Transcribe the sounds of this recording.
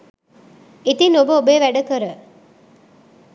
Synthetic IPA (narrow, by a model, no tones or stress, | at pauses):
it̪inobəubeːʋæɖɐkɐɾə